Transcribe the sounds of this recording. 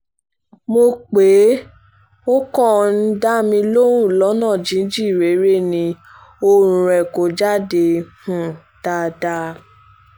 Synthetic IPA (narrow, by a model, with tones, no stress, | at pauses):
mo˧k͡pe˨˦ | o˦kɔ˦˨n̩˦da˦mĩ˧lo˦ɾũ˦˨lɔ˨˦nãː˦˨d͡ʒĩ˨˦n̩˦d͡ʒi˦˨ɾe˨˦ɾe˦˨nĩ˧ | o˦ɾũ˨ɾɛ˨ko˨d͡ʒa˦de˧hũ˦˨ | d̥a˧˦da˧˦